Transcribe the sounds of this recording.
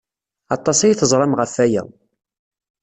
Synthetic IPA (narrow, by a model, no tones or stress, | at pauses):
ɑt̪ˤːɑsˤajiθəzˤɾˤɑmʁəfːæjæ̰